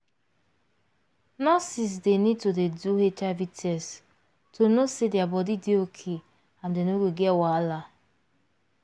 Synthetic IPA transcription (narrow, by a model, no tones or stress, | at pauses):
nɔsis̬denid̚todeduɦet͡ʃavitɛs | tʰonosedɪabɔdidiokʰe | amdenoɡeɡɛwala